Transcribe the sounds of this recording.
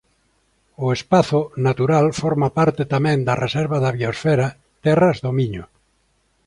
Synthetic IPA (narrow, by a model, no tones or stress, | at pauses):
ʊespaθʊnat̪uɾalfɔɾmapaɾt̪et̪amɛ̃nd̪ɐrʔesɛɾβaðaβiosfɛɾa | t̪ɛrazðomiɲʊ